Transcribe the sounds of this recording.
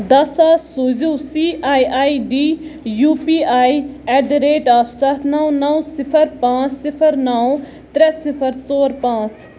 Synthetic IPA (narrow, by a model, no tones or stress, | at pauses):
d̪ɐsaːsuzuːsiːaːiaːiɖiːjuːpiːaːiɛɖɾeːʈaːpsɐt̪ʰnɐw̃nɐw̃sɪpʰəɾpãːt͡ssɪpʰəɾnɐw̃ | t̪ɾɛsɪpʰəɾt͡soːɾpãːt͡s